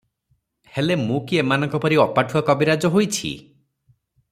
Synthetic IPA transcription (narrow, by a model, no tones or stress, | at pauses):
helemũkiemanɔŋkɔpɔɾiɔpaʈʰuakɔbiɾad͡ʒɔɦojt͡ʃʰḭ